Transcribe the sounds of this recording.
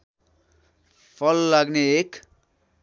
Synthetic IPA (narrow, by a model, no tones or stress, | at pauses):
pʰʌlːaɡneek